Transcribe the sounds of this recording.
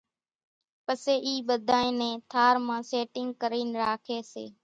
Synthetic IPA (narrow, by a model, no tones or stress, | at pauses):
pəseːʔiːɓəd̪ʱaːẽːnẽːt̪ʰaːɾmãːseːʈɪŋɡ̚kəɾiːnɾaːkʰeːsḛː